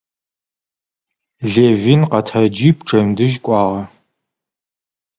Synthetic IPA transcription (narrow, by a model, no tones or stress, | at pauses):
ɮeːvinqɐtʰɐd͡ʒipʈ͡ʂʰʼɐmdɨʒkʷʼɑːʁɐ